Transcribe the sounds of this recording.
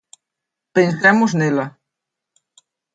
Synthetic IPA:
pẽnsɛmʊznelɐ

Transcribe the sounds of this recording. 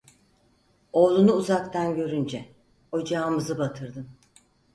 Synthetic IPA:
o̞ːlˠunuuzakt̪ʰanɟø̞ɾynd͡ʒɛ | o̞d͡ʒaːmɯzɯbat̪ʰɯɾd̪ɯm

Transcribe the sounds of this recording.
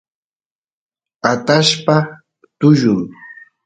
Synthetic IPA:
at̪aʃpa | t̪ʊʒʊŋ

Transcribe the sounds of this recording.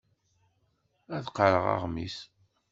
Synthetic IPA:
æθqːəɾəʁɑ̰ʁmis

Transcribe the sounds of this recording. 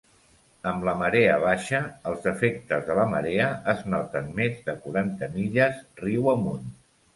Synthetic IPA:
əmləməɾeəβ̞aʃəəlˠzəfek̚t̪əzðələmə̰ɾeəəznɔt̪ənmezðəkuɾant̪əmiʎəzriwəmun

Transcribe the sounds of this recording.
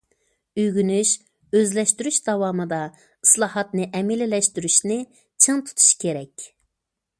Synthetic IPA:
yjɡʲynyʃ | øzlɛʃt̪yɾyʃd̪ɑwɑːmɨd̪ɑ | i̥slˠɑːɦɑt̪nɨʔɛmilɪlɛʃt̪yɾyʃnɪ | t͡ʃʰɨŋt̪ʰu̥t̪ʰu̥ʃkʲʰeɾɛkʲ

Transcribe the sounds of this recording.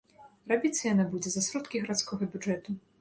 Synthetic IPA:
rabʲit̪sɐjanabud͡zʲɛzɐsɾɔt̪kʲiɣɐɾat̪skɔɣɐbʲud͡ʐɛt̪u

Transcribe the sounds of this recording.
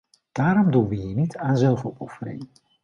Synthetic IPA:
d̥aːɾɔmdunʋəinitʰaːnzɛlˠfɔpɔfəɾɪ̰ŋ

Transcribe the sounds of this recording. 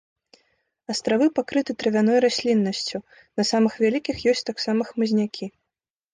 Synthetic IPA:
ɐst̪ɾavɨpakɾɨt̪ɨt̪ɾɐvʲanɔjɾasʲlʲinːɐsʲt͡sʲu | nɐsamɨxvʲalʲikʲixjɔsʲt͡sʲt̪aksamɐxmɨzʲnʲakʲʰi

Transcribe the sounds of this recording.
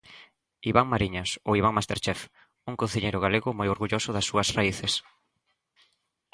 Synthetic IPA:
iβaŋmaɾiɲaso̰iβaŋmast̪eɾt͡ʃɛf | uŋkonθiʎejɾʊɣaleɣʊmojoɾɣuʎosʊðɐsːuɐsraiθes

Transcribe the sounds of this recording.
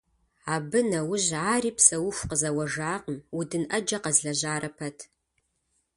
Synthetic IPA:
aːbɨnɐwʊʑʕaːriːpʰsɐwʊxʷqəzɐwɐʒaːqmʊdɨnʔɐd͡ʒɐqɐzɮɐʑaːɾʔɐpʰɐtʰ

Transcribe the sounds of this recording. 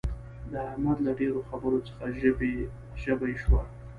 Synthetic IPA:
d̪əhamad̪laɖeɾoxabəɾot͡sə̥xaʒbe | ʒəbajʃwa

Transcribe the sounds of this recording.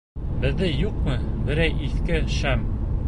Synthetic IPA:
bɘ̆ðɘjuqmɤbɘ̆ɾæjʔiθkɘʃæm

